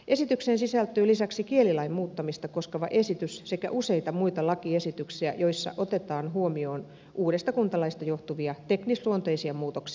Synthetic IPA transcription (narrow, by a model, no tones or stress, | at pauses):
ʔesit̪yksensisælt̪yːlisæksikielilɑimmuːt̪ːɑmist̪ɑkoskeʋɑʔe̞sit̪ysse̞kæ̰ʔuse̞it̪ɑmuijt̪ɑlɑkiesit̪yksiæ̰jo̞isːɑ̰ʔot̪et̪ɑːnɦuomio̞ːn | ʔuːɾest̪ɑkunt̪ɑlɑist̪ɑjo̞ht̪uʋiɑt̪e̞knisluont̪oisiɑmuːt̪oksi̥